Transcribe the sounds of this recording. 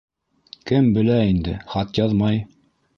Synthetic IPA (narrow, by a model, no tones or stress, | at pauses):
kɘmbɘ̆læind̪ɘ̰χɑt̪jɑðmɑj